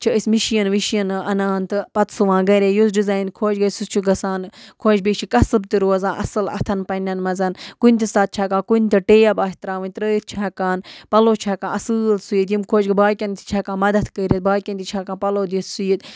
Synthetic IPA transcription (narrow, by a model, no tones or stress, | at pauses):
t͡ʃʰiəsmiʃijɐnʋiʃjɐnɐnaːnt̪ɨpɐt̪sɨʋãːɡɐɾʲejusɖizaːjnkʰoːt͡ʃɡɐsut͡ʃʰuɡɐsaːnkʰoːd͡ʒbeːt͡ʃʰikɐsɨb̚t̪iɾoːzãːʔɐ̰sɨlɐ̰t̪ʰɐnpɐnʲɐnmɐzɐnkunʲt̪isaːt̪̚t͡ʃʰaːkãːkunʲt̪iʈeːjabaːɦit̪ɾaːʋɐnʲt̪ɾəːit̪̚t͡ʃʰaːkaːnpɐloːt͡ʃʰaːkãːɐsɨːlsujit̪jimkʰoːd͡ʒɡɐbaːkʲɐnt̪ʰi̥t͡ʃʰaːkãːmɐd̪ɐt̪kəɾʲit̪̚baːkʲɐnt̪it͡ʃʰaːkãːpɐloːd̪it̪sujit̪